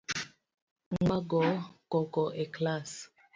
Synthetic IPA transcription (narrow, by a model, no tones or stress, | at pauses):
ŋ͡m̩ɡ͡baɡɔkɔkɔʔeklas